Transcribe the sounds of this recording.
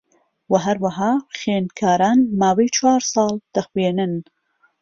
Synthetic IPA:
wɐɦɐɾwɐɦɑːxeːnkʰaːɾaːnmaːwejt͡ʃwaːɾsˤɑːlˠd̪̥ɐxweːnɨn

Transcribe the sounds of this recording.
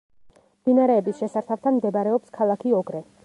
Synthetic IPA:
md̪̥inaɾɛːbisʃɛsaɾt̪ʰaft̪ʰanmd̪ɛbaɾɛɔpskʰalˠakʰiɔɡɾɛ

